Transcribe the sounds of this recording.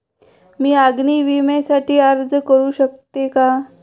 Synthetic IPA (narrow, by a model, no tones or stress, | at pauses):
miːaɡniːʋimẽsaʈʰiːaɾd͡zkəɾuːɕəkt̪eka